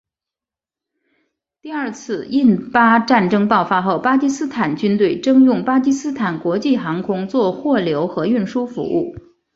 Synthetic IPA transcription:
t̪i˥˧ɐ˞˥˧t͡sʰɹ̩˥˧i˥˧npa˥ʈ͡ʂa˥˩nʈ͡ʂɤ˥ŋpɑ˥˩ʊfa˥xo˥˩ʊpa˥t͡ɕi˥sɹ̩˥t̪ʰa˨˩nt͡ɕy˥nt̪we˥˩ɪʈ͡ʂɤ˥ŋjʊ˥˩ŋpa˥t͡ɕi˥sɹ̩˥t̪ʰa˨˩nkwɔ˧˥t͡ɕi˥˩xɑ˧˥ŋkʰʊ˥ŋt͡swɔ˥˧xwɔ˥˩ljo˧˥ʊxɤ˧˥y˥˩nʂu˥fṵ˧˥ṵ˥˩

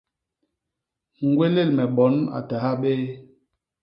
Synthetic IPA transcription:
ŋ̩˨ɡwe˦le˦˨lmɛ˨ɓɔ˨˦na̰˨ta˨ɦa˦ɓeː˦

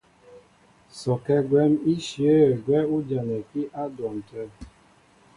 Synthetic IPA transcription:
sɔ˨kɛ˦ɡwɛ˦mi˦ʃje˦˨ɡwɛ˦u˦d͡ʒa˨nɛ˨ki˦ʔa˦dɔ˨m̩˨tɛ˦˨

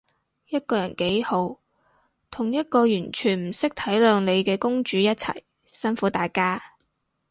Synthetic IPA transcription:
jɐ˥t̚kɔː˧jɐ˨˩nke˨˥jho˨˧˥w | t̪ʰʊ˨˩ŋjɐ˥t̚kɔː˧jyː˨˩nt͡ʃʰyː˨˩nm̩˨˩sɪ˥k̚t̪ʰɐ˨˥jlœː˨˧ŋle˨˧jkɛː˧kʊ˥ŋt͡ʃyː˨˥jɐ˥t̚t͡sʰɐ̰˨˩j | sɐ˥nfuː˨˥t̪aː˨jkaː˥

